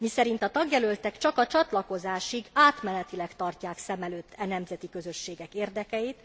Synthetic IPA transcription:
misɛɾint̪ɒt̪ɒɡjɛlølt̪ɛkt͡ʃɒkɒt͡ʃɒt̪lɒko̞zaːʃiɡaːt̪mɛnɛt̪ilɛkt̪ɒrcaːksɛmɛløːt̪ʰːɛnɛmzɛt̪ikø̞zø̞ʃːeːɡɛkeːrd̪ɛkɛjit̪

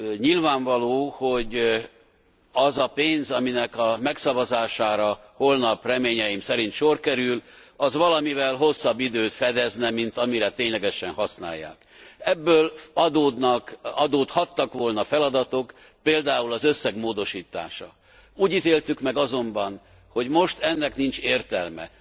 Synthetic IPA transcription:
ɲilvaːɱvɒloːho̞ɟ | ɒzɒpeːnzɒminɛkɒmɛksɒvɒzaːʃaːɾɒ | ho̞lnɒprɛmeːɲɛimsɛɾint̪ʃo̞rkɛɾyl | ɒzʋɒlɒmivɛlɦo̞sːɒbːid̪øːt̪fɛd̪ɛznɛmint̪ɒmiɾɛt̪eːɲlɛɡɛʃɛnhɒsna̰ːjːa̰ːk | ɛbːøːlɒd̪oːd̪nɒkɒd̪oːt̪hɒt̪ːɒkʋo̞lnɒfɛlɒd̪ɒt̪o̞k | peːld̪aːulɒzø̞sːɛɡmoːd̪o̞ʃiːt̪a̰ːʃɒ̰ | uːɟit̪eːlt̪ykmɛɡɒzo̞mbɒn | ho̞ɟmo̞ʃt̪ɛnːɛknint͡ʃeːrt̪ɛlmɛ̰

